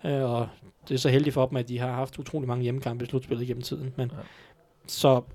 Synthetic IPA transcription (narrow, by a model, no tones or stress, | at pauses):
øɒ̽d̥e̝æɐsɒ̽ɦeld̥ifɒ̽b̥m̩æd̥iɦɑ̈ɦɑ̈fd̥ut͡sʰʁo̰ːlimɑ̈ŋəjeməkʰɑ̈mb̥islud̥sb̥e̝lð̩ˠɡen̰m̩t͡sʰið̰ˠn̩men | sɒ̽